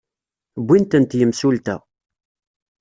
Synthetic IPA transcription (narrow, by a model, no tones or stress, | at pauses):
bʷːint̪ənt̪jəmsult̪æ̰